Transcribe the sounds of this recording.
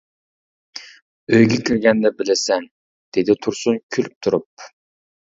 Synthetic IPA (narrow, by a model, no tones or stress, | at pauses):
øjɡʲɛkʲʰiɾɡʲɛnd̪ɛbɪlɪsɛn | d̪̥ed̪ɪt̪ʰuɾsunkʲʰylyp̚t̪ʰuɾup